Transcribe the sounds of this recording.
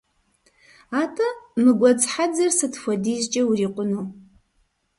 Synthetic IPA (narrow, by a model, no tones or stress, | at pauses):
atʰʼanɨɡʷat͡sħad͡zɐrsɨtʰfʷadizt͡ʃʼɐwuriqʷʼʊnu